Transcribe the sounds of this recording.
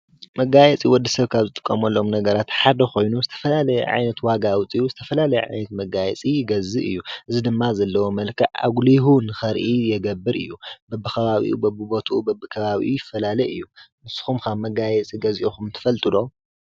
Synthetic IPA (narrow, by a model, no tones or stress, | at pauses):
mɐɡajɛt͡sʼiwɔd̪ːɐsɐβkʰaβzɨt̪ʼɨ̥kʼːɐmɐlːomnɐɡɐɾat̪ħad̪ɐkʰo̞jnuzɨt̪ʰɐfɐlalɐjɛ̰ʕa̰jnɐt̪waɡawʊt͡sʼiuzɨt̪ʰɐfɐlalɐjɛʕa̰jnɐt̪mɐɡajɛ̰t͡sʼiɡɐzɨʔɨjːuʔɨzid̪ɨmːazɐlːɐwo̞mɐlkʰɐʕa̰ɡliɦunɨxɐɾʔijɛɡɐbːɨɾɨ̰jːubɐbːɨkʰɐβaβḭʔṵbɐbːɨbo̞t̪ʰʔubɐbːɨkʰɐβaβḭʔujɪfːɐlalɐjɨ̰jːunɨsɨ̥xumkʰaβmɐɡajɛt͡sʼiɡɐziʔixumt̪ʰɨ̥fɐlt̪ʼɨlo̞